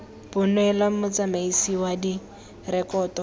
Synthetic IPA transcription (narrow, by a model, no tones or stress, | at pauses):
bʊnwɛlamʊt͡samaisiwadi | rɛkɔːtɔ